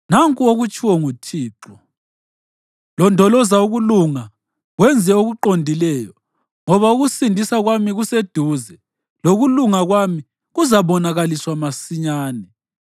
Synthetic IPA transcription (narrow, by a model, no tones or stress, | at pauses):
naŋkʼuoɣut͡ʃʼiwɔŋutʰiːǃɔ | lɔndʱɔlɔzauɣuluŋa | ɣwɛnd͡zʱɛoɣuǃondʱilɛːjɔ | ŋɔβauɣusindʱisaɣwamiɣused̥ʱuːzɛ | loɣuluŋaɣwami | ɣuzaβɔnaɣaliswamasiɲaːnɛ